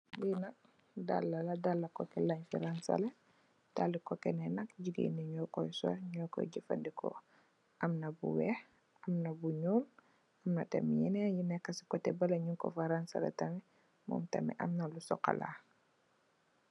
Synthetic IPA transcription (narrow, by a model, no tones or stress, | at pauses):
winak̚ | da̰lːaladalːakɔkɛlaɲfḭɾansa̰lɛ | d̥alikɔkɛnɛnakɟiɡḭniɲɔkɔjsɔ̰ɲɔkɔ̰ɟifa̰ndikʰɔ̰ | ʔamnɐbṵwɛh | amnɐbuɲɔːl | ʔamnɐ̰tɐ̰mijinɛjinɛkːasi̥kɔtɛbɐlɐɲuŋkɔ̰faɾansa̰lɛ̰tamɛ | mɔ̰ːmtɐmɛ̰ʔa̰mnalusɔ̰ka̰la̰ː